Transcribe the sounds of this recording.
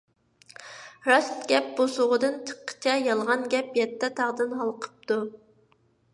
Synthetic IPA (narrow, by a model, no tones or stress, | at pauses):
ɾɑst̪ɡʲɛp̚bosʊʁəd̪ɨnt͡ʃʰə̥qʰːə̥t͡ʃʰɛjɑlˠʁɑnɡʲɛpjɛt̪ʰːɛt̪ʰɑʁd̪ɨnɦɑlˠqʰə̥p̚t̪u